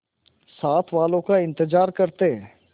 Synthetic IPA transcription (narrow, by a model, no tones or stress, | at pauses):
saːt̪ʰʋaːlõkaɪ̃nt̪əzaːɾkɐɾt̪eɦɛ̃ː